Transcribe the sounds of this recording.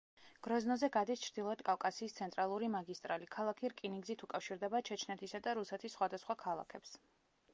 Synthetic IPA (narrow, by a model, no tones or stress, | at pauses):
ɡ̥ɾɔznɔzɛɡad̪ist͡ʃʰɾd̪ilˠɔɛt̪ʰkʼafkʼasiːst̪sʰɛnt̪ʼɾalˠuɾimaɡist̪ʼɾalikʰalˠakʰiɾkʼiniŋɡzit̪ʰukʼafʃiɾd̪ɛbat͡ʃʰɛt͡ʃʰnɛt̪ʰisad̪aɾusɛt̪ʰisːχwad̪asχwakʰalˠa̰kʰɛps